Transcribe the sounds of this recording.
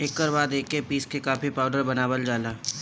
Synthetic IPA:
eːkːəɾʋaːd̪eːkːepiːskekaːfipaːʊɖəɾbɐnaːbəld͡ʒaːlaː

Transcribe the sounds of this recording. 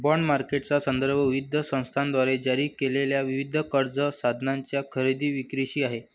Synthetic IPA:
bəɳɖmaɾkeʈt͡sasənd̪əɾbʱəʋiʋid̪ʱːəsə̃w̃st̪ʰand̪ʋaɾed͡ʑaɾiːkeleljaʋiʋid̪ʱːəkəɾd͡zəsad̪ʱnaɲt͡ɕjakʰəɾid̪iːʋikɾiɕiːaɦe

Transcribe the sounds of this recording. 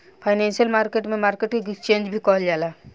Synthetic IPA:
pʰaɪnɛ̃nsijəlmaːɾkeʈmẽmaːɾkeʈkiɡit͡ʃẽːnd͡ʒbʱikɔɦld͡ʒaːlaː

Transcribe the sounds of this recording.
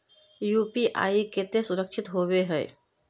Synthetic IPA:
juːpiʔa̰ːiket̪esʊɾəkʃʰɪt̪ɦoweɦɛː

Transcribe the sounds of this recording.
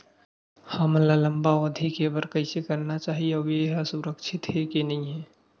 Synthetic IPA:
həmlaləmbaəd̪ʱikebəɾkəɪsekəɾnat͡ʃaːɦieʋeɦasʊɾəkʃʰɪt̪ɦɛkenɐɦĩɦɛː

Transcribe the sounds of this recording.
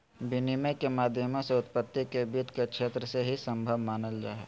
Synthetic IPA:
bɪnimekemaːd̪ʱjəmõseʊt̪̚pət̪ːikebiːt̪kekʃeːt̪ɾəseɦisə̃mbʱəʋmaːnəld͡ʒa̰ːɦɛː

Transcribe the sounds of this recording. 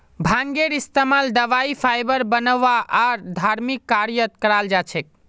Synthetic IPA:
bʱãŋɡeɾist̪emald̪əʋaipʰajbəɾbənəʋaʔaɾd̪ʱaɾmikːaɾijət̪̚kəɾald͡ʒat͡ʃʰɛk̚

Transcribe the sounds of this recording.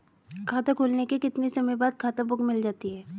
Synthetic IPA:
kʰaːt̪akʰoːlnekekɪt̪nisɐməjbaːd̪̚kʰaːt̪abʊkmɪld͡ʒaːt̪iɦɛː

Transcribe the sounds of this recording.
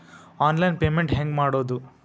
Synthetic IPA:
aːnlɐjnpeːmeɳʈɦeŋɡmaːɽo̞ːd̪u

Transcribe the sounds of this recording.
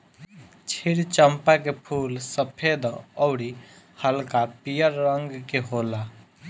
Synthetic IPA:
t͡ʃʰiɽt͡ʃəmpakepʰuːlsəpʰed̪ɔʊɽi | həlkapijəɾːəŋɡkeɦola

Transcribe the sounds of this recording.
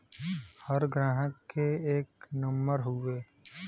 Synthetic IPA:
həɾɡɾãːɦəkːeeːknəmbəɾɦʊeː

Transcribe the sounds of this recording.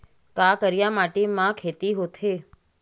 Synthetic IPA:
kakəɾjamaʈemãkʰet̪iɦot̪ʰe

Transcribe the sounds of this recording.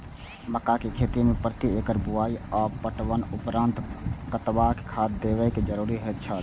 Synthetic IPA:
məkakekʰeːt̪imẽpɾət̪iekəɾbuaːiɔːpəʈwənʊpɾãːnt̪kət̪ʋake̥kʰaːd̪d̪eːʋəked͡ʒəɾuːɾiɦot̪̚t͡ʃʰə

